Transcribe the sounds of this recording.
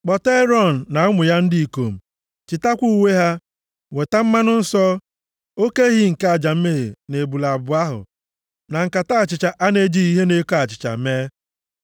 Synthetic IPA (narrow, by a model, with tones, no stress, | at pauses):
k͡pɔ˨te˦ɾɔ˦˨n̩ː˨a˨ʊ˦mʊ˨ja˦n̩˦di˦i˨ko˨m̩˨ | t͡ʃɪ˨ta˦kʷu˦we˦ɦa˦ | we˨ta˦m̩˦ma˦nʊ˦n̩˦sɔ˦ | o˦ke˦ɦi˦ŋ̩˨ka˨d͡ʒa˨m̩˦me˦˨e˨ne˨bu˨la˨bʊ˨a˦ɦʊ̰˨ | na˨ŋ̩˨ka˨ta˦˨t͡ʃɪ˨t͡ʃa˨ʔa˦ne˦d͡ʒi˦i˦ɦe˦ne˦ko˦a˨t͡ʃɪ̥˨t͡ʃa̰˨me˦